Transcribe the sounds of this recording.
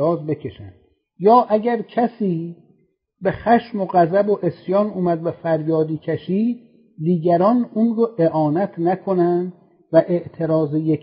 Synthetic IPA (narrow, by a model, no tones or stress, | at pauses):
ɒːzbe̞kʰeʃæ̰nd̪̥ | jɒːʔæɟæɾkʰæsiː | be̞xæʃmoɣæzæboʔesjɒːnuːmæd̪væfæɾjɒːd̪iːkʰeʃiːd̪ː | iːɡæɾɒːnunroʔe̞ʔɒːnæt̪ʰnækʰonænd̪ | væʔeʔt̪ʰe̞ɾɒːzejek